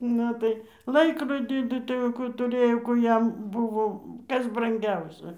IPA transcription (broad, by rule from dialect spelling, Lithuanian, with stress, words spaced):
ˈnʊ tɐɪ ˈlˠɐɪkroːdʲiː ˈtuː tɐɪ jɛʊ ˈkuː tʊˈrɘjoː ˈkuː jɛm ˈbʊʋoː ˈkɐs brɐŋʲˈɡʲɛʊsʲɛ